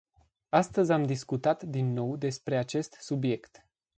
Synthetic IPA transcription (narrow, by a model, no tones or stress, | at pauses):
ast̪əzʲamd̪iskut̪at̪d̪inːo̞wd̪e̞spɾe̞at͡ʃe̞st̪subije̞kt̪